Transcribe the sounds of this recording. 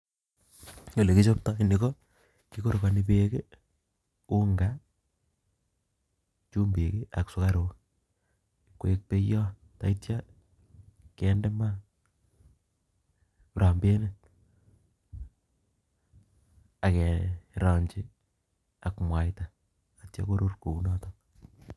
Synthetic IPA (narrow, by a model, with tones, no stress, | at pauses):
o˨le˨ki˦t͡ʃo˦p̚ta˦ni˨ko˦ | ki˦ko˦ɾo˨ka˨nipeke˦ | u˦ŋɡa | t͡ʃu˦mbi˨kea˨ksʊ˦ka˦ɾo˦k | kwek̚pe˦jɔ˦ | ta˨itja | kɛnde˦ma˦ | ɾa˨mbe˦ne | a˨kɛ˨ɾɔ˨ɲt͡ʃi | a˨kmwa˨jta | a˨tja̰˦ko˦ɾo˦rko˨unɔ˦to